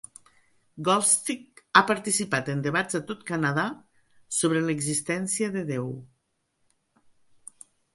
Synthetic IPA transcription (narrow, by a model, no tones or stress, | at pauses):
ɡɔst̪ik̚apaɾt̪isipat̪end̪eβazat̪ot̪kanaða | soβɾeləɡzist̪ɛnsiəðəðew